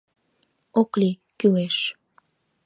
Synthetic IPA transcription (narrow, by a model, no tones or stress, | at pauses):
oklikyleʃ